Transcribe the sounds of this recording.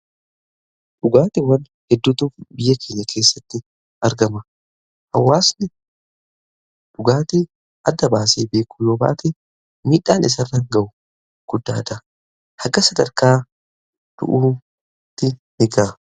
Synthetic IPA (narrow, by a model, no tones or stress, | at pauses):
ᶑʊɡaːt̪ɪwɐn | hɛd̪ːut̪uːfbɪjːɐkʰe̞ːɲːɐkʰe̞ːsːɐt̪ːɪ | ɐɾɡɐmɐ | hɐwːaːsnɪ | ᶑʊɡaːt̪i | ʔɐd̪ːɐbaːseːbe̞ːkʊ̥ːjoːba̰ːt̪ɛ | miːᶑaːnɪs̬ɐrːɐŋɡɐʔʊ | ɡ̥ʊd̪ːaːd̪ɐ | hɐɡɐsɐd̪ɐɾkaː | d̪̥ʊ̰ʔuː | t̪ːɪnɪɡaː